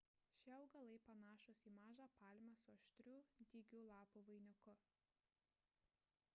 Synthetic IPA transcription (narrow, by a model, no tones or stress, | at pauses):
ʃʲiɐʊɡɐlˠɐɪpɐnɑːʃʊsiːmɑːʒɑːpɑːlʲmʲɐsʊɔʃʲt̪ʲɾʲuːd̪ʲɪɡʲuːlˠɑːpuʋɐɪnʲʊkʊ